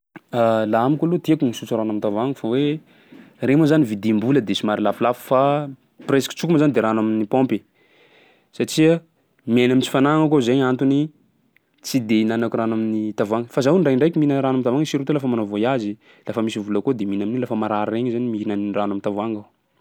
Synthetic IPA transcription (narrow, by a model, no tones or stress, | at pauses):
alaamikalut̪iakunisut͡suɾanamit̪avaŋɡəfawe | remozanivid̪imbuləd̪esimaɾilafilafu̥fa | presḁki̥t͡sukumzand̪eɾanaminipɔ̃mpe | saʈ͡ʂia | menamint͡si̥fanaŋəkozaɲant̪uni | t͡sid̪einanakuranaminit̪avaŋɡəfazawɳɖ͡ʐaɳɖ͡ʐajkʲiminəɾanamint̪avaŋɡəsiɾut̪olafəmanovojazi | lafəmisivulakod̪eminaminilafəmaɾaɾireɲzanimiɦinanranamint̪avaŋɡaw